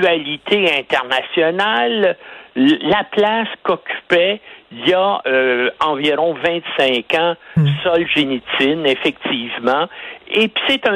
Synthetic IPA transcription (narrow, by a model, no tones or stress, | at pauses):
alit̪ʰeɛ̃t̪ɛʁnasjɔnalː | aplaskɔkʲy̥pɛiljaøɑ̃viʁɔ̃vɛ̃t̪sɛ̃kɑ̃sɔlʒenit͡sɪnefɛk̚t̪iːvmɑ̃epi̥set̪ɛ̃